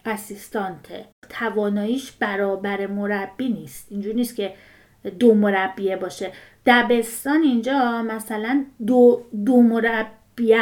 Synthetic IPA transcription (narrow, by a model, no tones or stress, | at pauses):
ʔæsist̪ɒnt̪ʰḛt̪ʰævɒːnɒːjiːʃb̥æɾɒːbæɾemoɾæbːiːniːst̪ind͡ʒuːɾniːst̪̚cʰe̞ | d̪omo̞ɾæbːiebɒːʃe̞ | d̪̥æbe̞st̪ɒːnind͡ʒɒːmæsælænd̪od̪omoɾæbːiæ